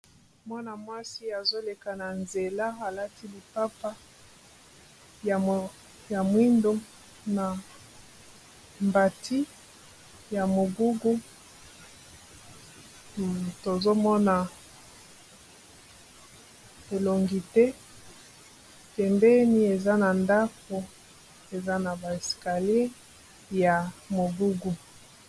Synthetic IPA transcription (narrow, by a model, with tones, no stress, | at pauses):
mwa˦na˨mwa˦si˦a˨zo˦le˨ka˨na˨nze˨la˦a˨la˦ti˦li˨pa˦pa˦˨ | ja˨mwi˦ndo˦ | na˨ | mba˨tʰi˦ | ja˨mo˨ɡu˦ɡu˦ | to˨zo˦mɔ˦na˨ | e˨lo˨ŋɡi˨tɛ˦ | pɛ˨mbɛ˦ni˦e˨za˦na˨nda˦fu˦ | e˨za˦na˨ba˨e˨ska˨li˦e˦ | ja˨mo˨ɡu˦ɡu˨